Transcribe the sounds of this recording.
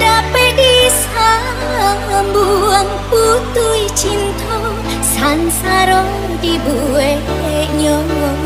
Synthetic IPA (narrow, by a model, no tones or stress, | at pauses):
ɖapedis | a | mbuaŋput̪uit͡ʃint̪ʰɔ | sansaɾɔ | d̪ibue | ɲɔ